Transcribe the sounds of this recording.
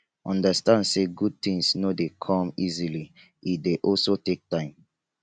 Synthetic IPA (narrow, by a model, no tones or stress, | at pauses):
ʔɔ̃ndəstãndseɡud̚tĩŋsnodekʰɔ̃mizili | ʔideʔɔlsotek̚tãɪ̃m